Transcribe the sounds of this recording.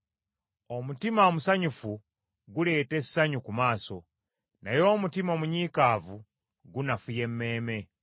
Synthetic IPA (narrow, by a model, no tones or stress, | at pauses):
omutimaomusaɲufu | ɡule̞ːte̞sːaɲukumaːso̞ | najo̞ːmutimomuɲiːkaːvu | ɡunafuje̞mːe̞ːme̞